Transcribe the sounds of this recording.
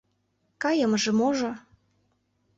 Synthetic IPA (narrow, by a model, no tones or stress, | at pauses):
kɑjə̆mʒĕmoʒŏ